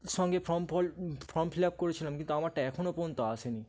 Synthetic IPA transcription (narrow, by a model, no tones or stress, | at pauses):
sɔ̃ŋɡepʰɾɔmpɔlpʰɾɔmpʰilap̚koɾet͡ʃʰinãmkint̪uamãʈɛkʰuñopont̪ɔasenĩ